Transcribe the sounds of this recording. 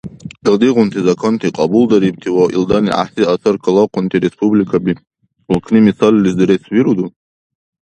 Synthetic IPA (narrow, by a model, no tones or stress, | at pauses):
ildiʁʷʊntʰizakʰontʰiqʼɑbuldaɾib̚tʰiwaʔḭldanḭʔa̰ħsiasʰarkʰalaqʷʊntʰiɾespʰublikʰabi | ukʰnimisallizdɨɾeswiɾudu